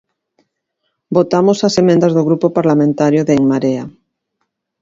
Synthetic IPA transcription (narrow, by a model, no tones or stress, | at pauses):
bot̪amosasemẽnd̪azðoɣɾupopaɾlamẽnt̪aɾjoðeŋmaɾea